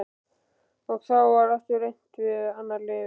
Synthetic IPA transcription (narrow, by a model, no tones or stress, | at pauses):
ɔɣθawvaɾaft̪ʏɾejn̥t̪vɪðaːnːaɾlɛ